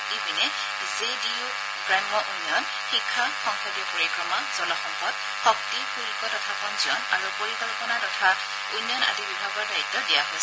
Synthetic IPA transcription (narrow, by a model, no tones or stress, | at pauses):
dibinɛ | zediu | ɡɹamːɔʔunjɔn | xikʰːaxɔŋkɔdijɔpuɹikʰɹɔmaz̥ɔlɔxɔmpɔt̚ | xɔk̚tixuɹikɔtɔtʰapɔnziɔna̰ɹupoɹikɔlpɔnatɔtʰa | unjɔna̰dibibʱaɡɔɹdaitːɔdijaɦojs